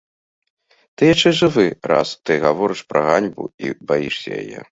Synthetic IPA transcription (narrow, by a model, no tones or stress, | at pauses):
t̪ɨjat͡ʂɛʐɨvɨɾa̰st̪ɨɣavɔɾɨʂpɾɐɣanʲbṵḭbajiʂsʲɐ̰ja̰jɛ̰